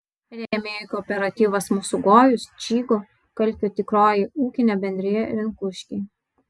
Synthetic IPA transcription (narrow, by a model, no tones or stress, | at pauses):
ɾʲɛɛmʲeːjt̪ʲɔːpʲɛɾɐt̪ʲiːʋɐsmusʊɡoːjʊst͡ʃʲiːɡoː | kɐlʲpʲot̪ʲɪkɾoːjiuːkʲɪnʲɛbʲɛnʲd̪ʲɾʲɪjɛʋʲɪnkʊʃʲkʲi